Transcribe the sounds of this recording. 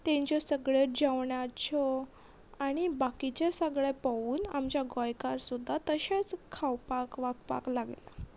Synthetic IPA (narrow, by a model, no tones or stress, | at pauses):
t̪ɛ̃ɲt͡ɕɔsəɡɭed͡ʑaʋɳjat͡ɕʰɔ | aɽ̃ibakit͡ɕesəɡɭepaʋuːnamt͡ɕjaɡɔjkaɾsud̪ʱːat̪əɕat͡skʰawpakʋakpa̰klaɡla̰